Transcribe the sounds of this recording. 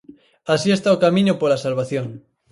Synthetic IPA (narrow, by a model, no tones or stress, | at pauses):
asiest̪aokamĩɲopolasalβaθjoŋ